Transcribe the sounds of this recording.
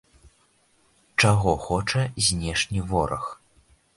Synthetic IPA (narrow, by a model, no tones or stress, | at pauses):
t͡ʂaɣɔxɔt͡ʂɐzʲnʲɛʂnʲivɔɾʔɐ̰x